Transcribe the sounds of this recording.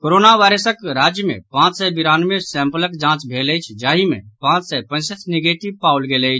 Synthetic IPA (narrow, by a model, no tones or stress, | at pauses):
koɾonaʋajɾəsəkɾad͡ʒjəmḛ̃pãt͡ʃsɛbiɾanmesɛ̃mpələkd͡ʒãt͡ʃbʱeləjt͡ʃʰd͡ʒaːɦimḛpãt͡ʃsɛpə̃ɪsət͡ʃʰneɡeʈibpaulɡeləjt͡ʃʰ